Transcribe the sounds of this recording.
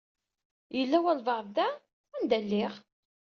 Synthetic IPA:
jəlːæwælvɑɾˤððæ | ænd̪ælːɪʁ

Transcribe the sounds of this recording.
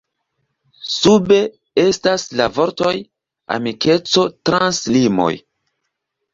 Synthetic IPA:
sube̞ | e̞staslavo̞ɾto̞j | a̰mike̞t͡so̞tɾanslimo̞̰j

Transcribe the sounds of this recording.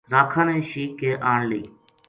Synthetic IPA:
ɾaːkʰãːnɛ̃ːʃiːkːeːʔaːɳliː

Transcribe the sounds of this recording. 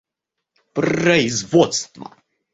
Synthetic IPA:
prɐɪzvɔt̪st̪vɐ̰

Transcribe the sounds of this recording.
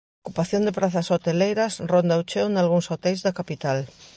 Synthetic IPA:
okupaθjond̪epɾaθɐsot̪elejɾɐsrond̪awt͡ʃewnalɣuŋsot̪ɛjzðɐkapit̪al

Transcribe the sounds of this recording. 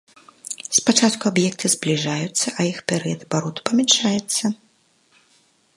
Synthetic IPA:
spat͡ʂat̪kuabjɛk̚t̪ʰɨzblʲiʐajut̪sːɐʔɐjixpʲɛɾɛjɐd̪ɐbaɾɔt̪u̥pɐmʲɛnʂajɛt̪sːɐ

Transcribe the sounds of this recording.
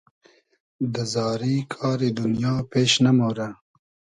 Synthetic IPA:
d̪əzɑːɾikʰɑːɾed̪ʊnjɑːpeːʃnamoːɾa

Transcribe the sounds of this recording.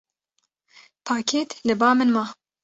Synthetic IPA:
pʰaːkʰeːt̪lɨbɑːmɨnmɑː

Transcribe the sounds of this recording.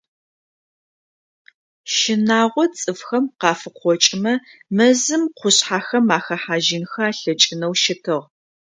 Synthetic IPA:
ʃɪnaːʁʷɔt͡sʼɨfxɐmqɑːfɨqʷɔt͡ʃʼɪmɐmɐzɨmqʷʊɕħaːxɐmaːxɐħaːʒɪnxɐaːɬɐt͡ʃʼɪnɐwʃɪtʰɨʁ

